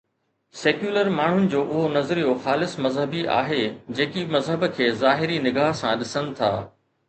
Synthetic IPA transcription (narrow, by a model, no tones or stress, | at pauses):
seːkjuːləɾmaːɳ̤ʊnɪ̆d͡ʑoːʔʊɦonɐzɾijoxaːlɪsmɐzɦəbiʔa̰ːɦed͡ʑeːkimɐzɦəbkʰeːzaːɦɪɾinɪɡaːɦsãɗɪsənɪ̆t̪ʰa̰ː